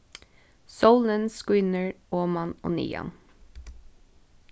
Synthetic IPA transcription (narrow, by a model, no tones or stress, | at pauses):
soʊlənskwʏnəɹoːmɑno̰ːnḭːɑ̰n